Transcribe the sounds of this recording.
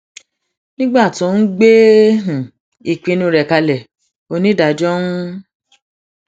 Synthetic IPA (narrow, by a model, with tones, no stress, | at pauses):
nĩ˦ɡ͡ba˦˨tũ˨˦n̩˦ɡ͡be˦ɦũ˨ | i˨k͡pĩ˧nũ˧˦˧ɾɛ˨ka˧lɛ˨ | o˧nĩ˦da˨d͡ʒɔ̃˦